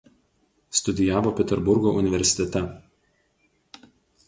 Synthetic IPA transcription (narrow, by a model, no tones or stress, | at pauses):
st̪ʊd̪ʲɪjæːʋoːpʲɛt̪ʲɛɾbʊɾɡoːʊnʲɪʋʲɛɾʲsʲɪ̥t̪ʲɛt̪ʲɛ